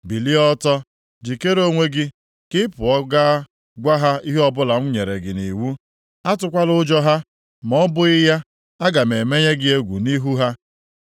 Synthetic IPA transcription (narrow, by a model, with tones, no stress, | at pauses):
bi˨li˦ɔ˦tɔ˦ | d͡ʒi˨ke˦ɾo˦ŋʷe˦ɡɪ˦ | kɪ˦pʊ˨ɔ˦ɡa˦ | ɡʷa˦ɦa˦i˦ɦe˦ɔ˦bʊ˦la˨ŋ̩˦ɲe˨ɾe˨ɡɪ˨ni˨wu˦ | a˦tʊ˦kʷa˦lʊ˦d͡ʒɔ˦ɦa˦ | m˨ɔ˦bʊ˦ɪ˦ja˦ | a˦ɡa˨me˨me˦ɲe˦ɡɪ˦e˦ɡʷṵ˨ni˦ɦu˦ɦa˦